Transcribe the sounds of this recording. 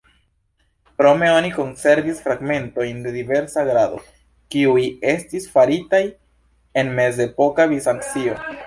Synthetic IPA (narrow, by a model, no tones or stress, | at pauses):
pɾo̞me̞o̞niko̞nse̞ɾvisfɾaɡme̞nto̞jnde̞dive̞ɾsaɡɾado̞̰ | kiuje̞stisfaɾitaj | e̞nme̞ze̞po̞kavisaŋkt͡sio̞